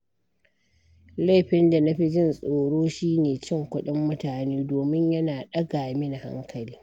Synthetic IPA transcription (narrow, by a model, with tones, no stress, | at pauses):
la˦˨jɸɪ˦nda˨na˦ɸi˦d͡ʒɪ˦nsʼoː˨ɽoː˦ʃiː˦neː˨t͡ʃɪ˦˨ŋkʷʊ˦ɗɪ˦mːʊ˦taː˨niː˦doː˨mɪ˦ɲjɐ˦naː˨ɗɐ˦ɡaː˨mɪ˦na˨ha̰˦ŋkʰɐ˨liː˦